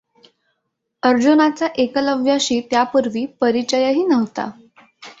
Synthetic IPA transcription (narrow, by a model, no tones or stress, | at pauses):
əɾd͡ʑunat͡saʔekələʋjaɕiːt̪japuɾʋiːpəɾit͡ɕəjəɦiːnəʋt̪a̰